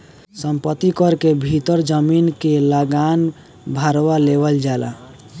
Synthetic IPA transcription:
səmpət̪ikɔɾkebʱit̪əɾd͡ʒəminkeləɡan | bʱaɾwalebəld͡ʒala̰

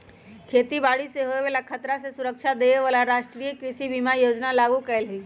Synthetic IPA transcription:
kʰeːt̪ibaːɽiseɦoʋeʋeːlakʰət̪ɾasesʊɾəkʃad̪eːeʋaːlaɾaːʃʈɾijəkɾɪʃibʱimajoːd͡ʒnalaːɡukəlɦiː

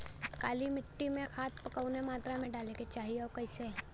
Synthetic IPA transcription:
kaːlimɪʈːimẽxʰaːt̪ʰpɐkəʊnemaːt̪ɾamẽɖaːleket͡ʃaːɦieɔoːkɐɪse

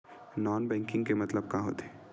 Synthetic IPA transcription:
nɔːnbɛ̃ːŋkɪ̃ŋɡkemɐt̪ləb̚kãɦo̰ːt̪eː

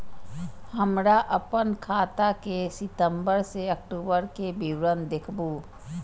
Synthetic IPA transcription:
həmɾaʔɐpənkʰaːt̪akesɪt̪ə̃mbəɾseɐk̚ʈoːbəɾkebiwɾənd̪ɪkʰbu

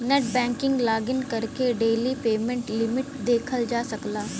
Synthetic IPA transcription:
nɛʈ̚bɛ̃ːŋkɪ̃ŋɡlaːɡɪnkəɾkeɖeːlipeːmɛ̃ɳʈlɪmɪʈd̪eːkʰəld͡ʒaːsəklaː

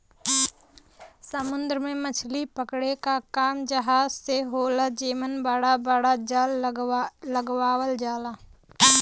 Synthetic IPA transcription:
səmʊ̃nd̪ɾəmẽmət͡ʃʰlipəkɽekakaːmd͡ʒəɦaːzseɦoːlad͡ʒiːmənbaɽabaɽad͡ʒaːl | ləɡwaːwəld͡ʒaːlaː

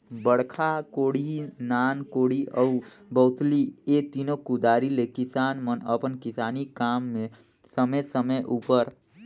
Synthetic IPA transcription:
bəɽkʰakoːɽinaːnkoːɽiəubəʊt̪liet̪inokʊd̪aːɾilekɪsaːnmənəpənkɪsaːnikaːmːẽ | səməsəməjʔuːpəɾ

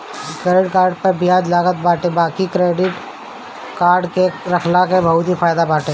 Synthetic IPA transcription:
kɾeːɖɪʈkaːɾɖpəɾbɪjaːd͡ʒlaːɡət̪̚baːʈẽbaːkikɾeːɖɪʈ | kaːɾɖkeɾɐkʰlakebʱɐɦʊt̪ifaːjd̪abaːʈẽː

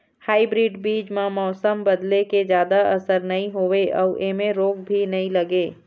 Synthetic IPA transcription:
haːibɾiːɖbiːd͡ʒmãmɔːsəmbɐd̪leked͡ʒjaːd̪aʔɐsəɾnɐɦĩɦoːeʔɔ̰ːʔeːmẽɾoːɡ̚bʱinɐɦĩlɐɡeː

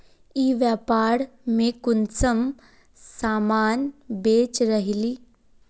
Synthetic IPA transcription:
iːʋjaːpaːɾmẽkʊnsəm | saːmaːnbeːt͡ʃɾəɦiliː

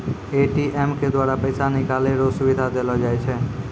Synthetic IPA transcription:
eʈiʔemked̪ʋaɾapəjsanikaleɾosuʋid̪ʱad̪elod͡ʒajt͡ʃʰe

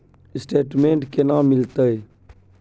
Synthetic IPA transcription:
ɪsʈeːʈmẽːɳʈkeːnãːmːɪlt̪əe

